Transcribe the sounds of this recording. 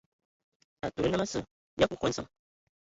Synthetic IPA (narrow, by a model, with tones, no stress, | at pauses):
a˨tu˨˦na˦ma˦sɨ̰˨ | ja˦ku˦ko˨˦sɨ̰˨ŋ